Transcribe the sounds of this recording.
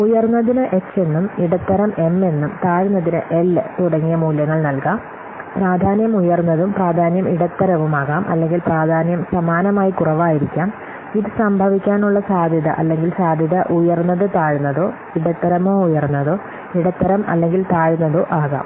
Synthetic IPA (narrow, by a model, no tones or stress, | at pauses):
ujɐrnːɐðinɨʔe̞t͡ɕːe̞nːumiɽɐt̪ːɐɾɐme̞me̞nːumt̪aːɻunːɐðinɨʔe̞lt̪uɽɐŋːijɐmuːljɐŋːɐɭnɐlkaːm | praːd̪ʱaːnjɐmujɐrnːɐðumpraːd̪ʱaːnjɐmiɽɐt̪ːɐɾɐʋumaːɣaːmʔɐ̰lːe̞ŋɡilpraːd̪ʱaːnjɐmsɐmaːnɐmaːjikurɐʋaːjiɾikʲːaːm | iðɨsɐmbʱɐʋikʲːaːnuɭːɐsaːd̪ʱjɐðɐ̰ʔɐlːe̞ŋɡilsaːd̪ʱjɐðɐʔujɐrnːɐðɨt̪aːɻunːɐðoː | iɽɐt̪ːɐɾɐmoːujɐrnːɐðoː | iɽɐt̪ːɐɾɐmɐ̰lːe̞ŋɡilt̪aːɻunːɐðoːʔaːɣa̰ːm